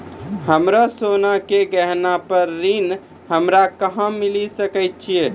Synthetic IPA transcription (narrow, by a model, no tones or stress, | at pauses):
ɦəmɾasonakeɡəɦnapəɾːin | ɦəmɾakəɦə̃milisəkəjt̪̚t͡ʃʰije